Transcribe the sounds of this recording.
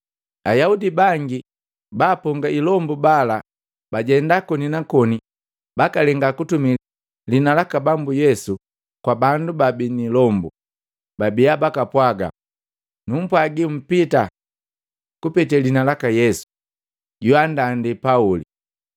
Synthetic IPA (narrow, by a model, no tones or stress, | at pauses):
ajaudibaŋɡi | baːpɔŋɡailɔmbubala | baɟɛndakɔninakɔni | bakalɛŋɡakutumi | linalakabambujɛsu | kwabandubabinilɔmbu | babiabakapwaɡa̰ | num̩pwaɡim̩pita | kupɛtɛlinalakajɛsu̥ | ɟuandandipaulḭ